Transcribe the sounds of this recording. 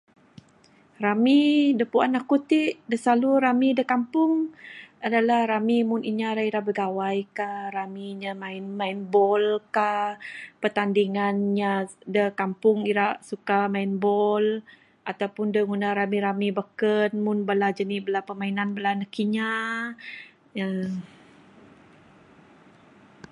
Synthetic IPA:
ɾamidəpua̰nakut̪iʔdəsaluɾamidəkampʊŋadalahɾamimʊniɲaɾaiɾaʔbəɡawajkahɾamiɲamaɪnmainbɔlkapət̪andiŋanɲadəkampʊŋiɾaʔsukamainbɔl | ʔat̪awpʊndəŋunaɾamiɾamibəkənmʊnbəlad͡ʒənibəlapəmainanbəlanəkiɲa | ja

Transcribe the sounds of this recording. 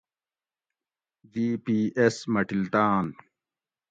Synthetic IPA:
diːpiːesmɐʈilt̪aːn

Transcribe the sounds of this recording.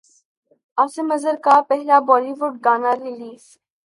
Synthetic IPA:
aːsemɐzəɾkapɛɦlabɔːliʋʊɖ̚ɡaːnaɾiliːs

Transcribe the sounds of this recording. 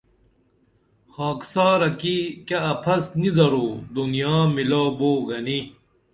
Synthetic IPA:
xaːksaːɾɐkikɐɐpʰɐsnid̪ɐɾoːd̪unijaːmilaːboːɡɐni

